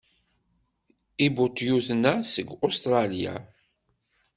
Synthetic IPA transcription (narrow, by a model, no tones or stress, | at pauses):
ibut̪juθnæsəɡost̪ɾˤɑlja̰